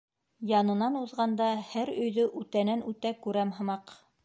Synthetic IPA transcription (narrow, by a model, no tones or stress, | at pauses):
jɑnɤ̆nɑnuðʁɑnd̪ɑhæɾɵ̆jðɵʔʉt̪ænænʉt̪ækʉɾæmɦɤ̆mɑq